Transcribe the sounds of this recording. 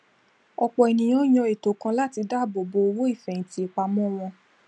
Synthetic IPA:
ɔ˧k͡pɔ˨e˨nĩ˨j̃ɔ̃˨˦j̃ɔ̃˧e˨to˨˦kã˧la˦ti˧da˦˨bo˨bo˧o˧wo˦i˦˨fɛ̃˨ti˨˦i˧˨k͡pa˧mɔ̃˦w̃ɔ̃˧

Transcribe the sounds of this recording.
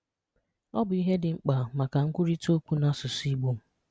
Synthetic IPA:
ɔ˦bʊ˨i˦ɦe˦dɪ˨ŋ͡m̩˦k͡pa˨ma˨ka˨ŋ̩˦kʷʊ˦ɾi˦to˦kʷu˦na˦sʊ˨si˦ɡ͡bo˦m̩˨

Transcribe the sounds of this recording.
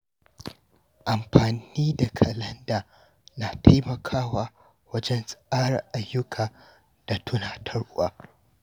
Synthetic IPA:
ʔa˨mɸaː˨niː˦da˨kʰɐ˨lɐ˦ndaː˨ | na˨tʰa˦jmɐ˨kʰaː˦waː˦ | wɐ˦d͡ʒɛ˦nsʼʔaː˦ɽɐ˨rʔa˨jːʊ˦kʰaː˨ | d̥a˨tʰʊ˦naː˨tʰɐ˦ɽʔʊ̰˦wa̰ː˨

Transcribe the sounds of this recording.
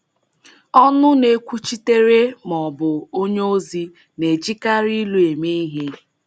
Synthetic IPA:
ɔ˦nʊ˦ne˦kʷu˦t͡ʃi˦te˦ɾe˦mɔ˨bʊ˨o˦ɲ˦o˦zi˦ | ne˨t͡ʃi˦ka˦ɾi˦lu˦e˨me˦i˦ɦe˦

